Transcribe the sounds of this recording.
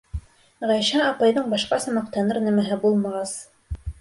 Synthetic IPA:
ʁæjɕæɑpɑjðɤɴbɑʃqɑsɑmɑq̚t̪ɑnɤɾnæmæɦɘbulˠmɑʁɑs

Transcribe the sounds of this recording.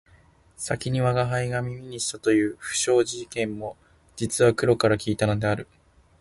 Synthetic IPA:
sakʲiɲ̟iβaɡaɦaiɡamʲimʲiɲ̟iɕi̥t̪at̪o̞jɯ̟ːɸɯ̟̥ɕo̞ːʑikẽ̞mːo̞ | d͡ʑit͡sɨβakɯ̟ɾo̞kaɾakʲiːt̪ano̞d̪e̞aɾɯ̟

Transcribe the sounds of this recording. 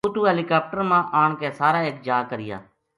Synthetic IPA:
uːt̪uːɦɛːliːkaːp̚ʈəɾmãːʔaːɳkeːsaːɾaːeːkd͡ʒaːkəɾɪja̰ː

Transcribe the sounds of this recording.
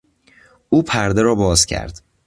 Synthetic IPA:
ʔuːpʰæɾd̪eɾɒːbɒːzcʰæ̰ɾd̪̥

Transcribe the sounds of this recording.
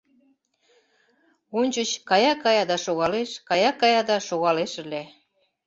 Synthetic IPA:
onʲt͡ɕət͡ɕkɑjɑkɑjɑd̪ɑʃoɣɑleʃkɑjɑkɑjɑd̪ɑʃoɣɑleʃəle

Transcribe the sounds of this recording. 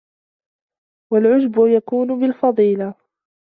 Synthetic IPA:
walʕʊd͡ʒbʊjakuːnʊbɪlfɑðˤiːla

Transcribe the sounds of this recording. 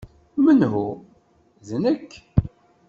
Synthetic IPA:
mənɦu | ðnəkː

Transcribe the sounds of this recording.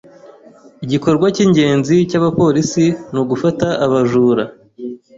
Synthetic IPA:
iɟiko̞ɾɡwaciːɲɟe̞ːnzicaβapo̞ɾisinuːɡufataʔːβaʒuːɾa

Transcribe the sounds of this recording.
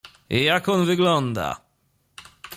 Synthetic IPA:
ejakʰɔnvɪɡlɔnd̪a̰

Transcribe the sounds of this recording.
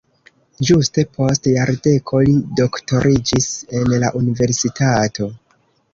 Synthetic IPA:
d͡ʒuste̞pʰo̞stjaɾde̞kʰo̞lido̞kto̞ɾʔid͡ʒise̞nlaʔunive̞ɾsitatʰo̞

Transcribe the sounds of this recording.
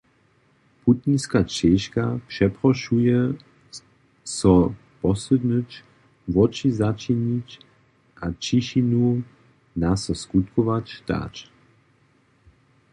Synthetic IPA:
put̪̚ninskat͡ʃɛʃkapʂɛpɾɔʃujɛ | sɔ | pɔsɛd̪nət͡ʃ | vɔt͡ʃizat͡ʃinit͡ʃ | ʔat͡ʃiʃinu | nasɔskut̪kɔʋat͡ʃt̪a̰t͡ʃ

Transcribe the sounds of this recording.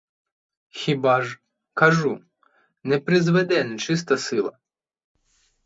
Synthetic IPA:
xʲibɑʒ | kɐʒu | nɛpɾɪzʋɛd̪ɛnt͡ʃɪs̬t̪ɐsɪlˠɐ̰

